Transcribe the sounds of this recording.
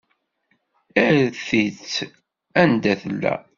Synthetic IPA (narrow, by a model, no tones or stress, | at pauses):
æɾθit͡sː | ænd̪æθəlːæ̰